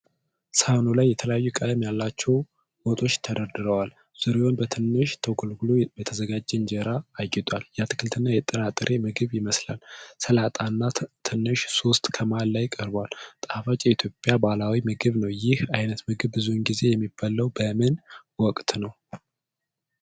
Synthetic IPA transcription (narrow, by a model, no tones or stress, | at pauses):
sahnolajːɛt̪ʰələjajːukʼad̪əmjalːat͡ʃːɛw | b̥ot̪ʼo̞t͡ʃːt̪ʰəd̪əɾd̪ɨɾəwal | z̥ɨɾeonbət̪ʰɨnːɨʃt̪ʰəwɡɨlɡulujɛt̪ʰəzəɡad͡ʒːɛnd͡ʒəɾaːɡɛt̪ʼwaljɛat̪ʰɨ̥kʰɨlt̪ʰɨnːajɛt̪ʼːənat̪ʼːɾʔemɨɡɨβjɪməsla̰lsəlat̪ʼanːat̪ʰɨnːɨʃso̞st̪ʼkʰəmalːajkʼəɾbwalt̪ʼafat͡ʃʼjɛit̪ʰjo̞pʼːjabalawimɨɡɨβnəwjɪhajnət̪mɨɡɨβbɨzunɡize̞jɛmːibːalːəwbəmɨnwɔkʼt̪nəw